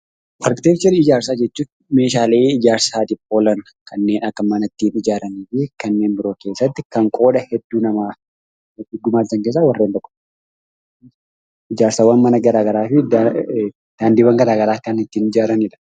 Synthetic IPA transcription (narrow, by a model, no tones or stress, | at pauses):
pʰɐɾkt̪eːt͡ʃːɐɾɪd͡ʒaːɾsaːd͡ʒɛt͡ʃːuː | me̞ːʃaːleːɪd͡ʒaːɾsaːd̪ɪpːoːlɐn | kʰɐnːe̞ːnɐkːɐmɐnɐt̪ːiːnɪd͡ʒaːɾɐniːfɪkɐnːe̞ːmbɪɾo̞ːke̞ːsːɐt̪ːɪkɐŋkʼo̞ːᶑɐhɛd̪ːuːnɐmaː | ɪɡʊmaːlt̪ɐŋkeːs̬ːawɐrːent̪ɔkːɔ̥ | ɪd͡ʒaːɾsaːwɐnmɐnɐɡɐɾaːɡɐɾaːfɪ | d̪̥aːnd̪ɪbɐŋɡɐɾaːɡɐɾaːkːanɪt̪ːiːnɪd͡ʒaːɾɐniᶑɐ̥